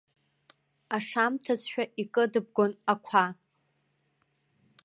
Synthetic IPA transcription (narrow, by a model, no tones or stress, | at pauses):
aʂamtʰazħᶣaʔikʼɨdɨb̚ɡʷonakʷʰa